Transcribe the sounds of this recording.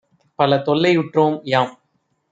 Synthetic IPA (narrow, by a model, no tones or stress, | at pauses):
pɐlɐt̪ɔɭːɐɪʊʈroːmjaːm